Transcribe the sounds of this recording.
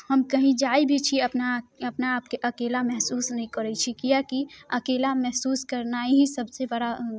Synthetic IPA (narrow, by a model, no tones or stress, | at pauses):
həmkəɦĩd͡ʒajbʱit͡ʃʰiəpnaəpnaːp̚keʔəkelamɛɦsusnɛjkəɾɛt͡ʃʰikijakiəkelamɛɦsuskəɾnaiɦisəbʱsebəɽa